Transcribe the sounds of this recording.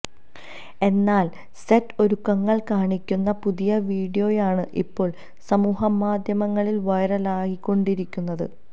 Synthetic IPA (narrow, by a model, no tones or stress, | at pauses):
e̞nːaːl | setːo̞ɾukːɐŋːɐɭkaːɳikʲːunːɐpuðijɐʋiːɖijo̞ːjaːɳɨʔḭpːo̞ːɭ | sɐmuːɦɐmːaːd̪ʱjɐmɐŋːɐɭilʋɐjɾɐlaːɣikːo̞ɳɖiɾikʲːunːɐðɨ̰